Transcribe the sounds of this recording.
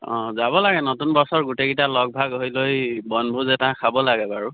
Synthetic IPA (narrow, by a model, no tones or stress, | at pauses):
ɔ̃zabɔlaɡɛnotunbɔsɔɹɡuteɡitalɔɡ̚bʱaɡojlojbɔnbʱuzɛtãkʰabɔlaɡɛbaɹu